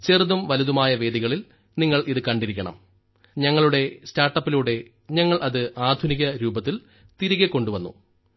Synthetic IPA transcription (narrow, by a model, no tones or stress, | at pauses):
t͡ɕeruðumʋɐluðumaːjɐʋe̞ːd̪iɣɐɭil | niŋːɐɭʔiðɨkɐɳɖiɾikʲːɐɳɐ̰m | ɲɐŋːɐɭuɽe̞staːrʈːɐpːiluɽe̞ | ɲɐŋːɐɭʔɐðɨʔaːd̪ʱuniɣɐɾuːbɐt̪ːil | t̪iɾiɣekːo̞ɳɖuʋɐnːṵ